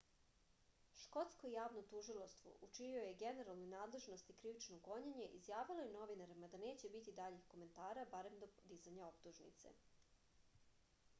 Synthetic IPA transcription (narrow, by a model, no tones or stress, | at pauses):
ʃko̞t̪skojaːʋnot̪uʒilˠast̪ʋo̰ʔut͡ʃinio̞jeɡe̞ne̞ɾalˠnojnaːd̪le̞ʒno̞st̪ikɾiʋit͡ʃnoɡo̞ɲeɲe̞ʔizjaːʋilˠojeno̞ʋinaɾimad̪ane̞ːt͡ɕe̞bit̪id̪aʎixko̞me̞nt̪aːɾabaɾe̞md̪od̪izaɲao̞pt̪uʒnḭt̪sḛ